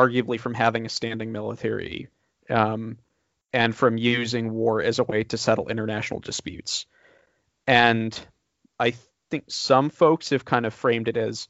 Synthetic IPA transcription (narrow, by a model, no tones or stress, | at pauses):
ɑɹɡjɨblifɹʌ̃mɦævɪ̃ŋɨstæ̃ndɪ̃ŋmɪlˠə̰tʰɛ̰ɹḭ | ɨ̃nfɹʌ̃mjʉzɪ̃ŋwɔɹɨzəweɪɾɨsɛɾl̩ˠʔɪ̃ɾ̃ə˞næʃn̩l̩ˠdɨspjʉ̰ts | ɨ̃n | ʔaɪ | θɪ̃ŋksʌ̃ɱfoʊkshɨv̥kʰãɪ̃ndʌv̥fɹẽɪ̃mdɨɾɨz̥